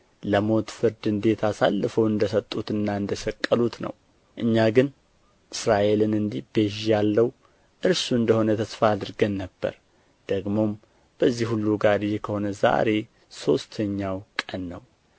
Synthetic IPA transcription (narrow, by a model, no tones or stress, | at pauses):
ləmo̞t̪fɨɾd̪ɨnd̪e̞t̪ʰasa̰lːɨfəwɨnd̪əsət̪ʼːut̪ɨnːaɨnd̪əsəkʼːəlut̪nə̰w | ʔɨɲːaɡɨn | ʔɨsɾaʔe̞lɨnɨnd̪ihbeʒjalːəw | ʔɨɾsuɨnd̪əho̞nət̪ʰəsfaːd̪ɨɾɡənːəbːə̰ɾ | d̪̥əɡmo̞m | b̥əzːihulːuɡaɾɨjekʰəho̞nəza̰ɾe̞ | so̞st̪ʰəɲːawkʼənːəw